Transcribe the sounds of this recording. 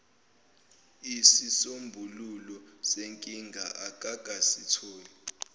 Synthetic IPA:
isisombʱululɔseŋkʼiŋɡʱa̰ʔakʼakʼasitʰoːli

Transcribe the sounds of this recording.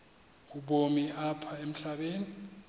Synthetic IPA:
k̬uɓomiapʰaem̩ɬaɓeːni

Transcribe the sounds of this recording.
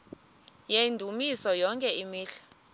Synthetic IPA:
jendʱumisɔjɔŋkʼɛimiːɬḁ

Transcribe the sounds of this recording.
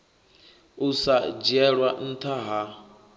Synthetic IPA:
usad͡ʒɛɺwan̩t̪ʰaɦa

